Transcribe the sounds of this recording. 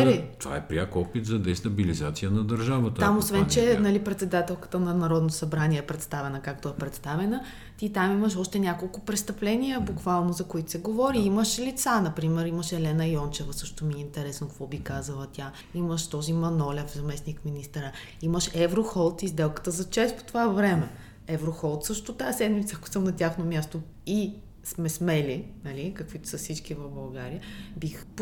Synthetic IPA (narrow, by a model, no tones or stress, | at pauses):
ɛt̪ova̰ɛpɾʲiakɔpit̪zɐd̪ɛst̪ɐbilizat̪sijənɐd̪ɐɾʒavət̪ət̪amosvɛnt͡ʃɛnɐlipɾɛt̪sɛd̪at̪ɛlˠkə̥t̪ənɐnɐɾɔd̪nosɐbɾaniɛɛpɾɛt̪st̪avɛnəkakt̪oɛpɾɛt̪st̪avɛnə | t̪it̪amiməʃɔʃt̪ɛnʲakolˠkʊpɾɛst̪əplɛnijəbukvalˠnozɐkoit̪ʊ̥sɛɡovɔɾiiməʃlit̪sanɐpɾimɛɾiməʃɛlɛnəjɔnt͡ʃɛvəsɤʃt̪omiɛint̪ɛɾɛsnokɐkvɔbikazəlˠət̪ʲa | iməʃt̪ɔzimɐnɔlɛfzɐmɛsnikminist̪əɾə | iməʃɛvɾoxɔlˠt̪izd̪ɛlˠkə̥t̪əzɐt͡ʃɛst̪po̥t̪ovavɾɛmɛ | ɛvɾoxɔlˠt̪sɤʃt̪ot̪aɛsɛd̪mit̪səːko̥sɤmnɐt̪ʲaxnomʲjast̪o | i | smɛsmɛlinɐlʲikɐkvit̪ʊ̥sɐsit͡ʃkivəvbɐlˠɡaɾiəbixp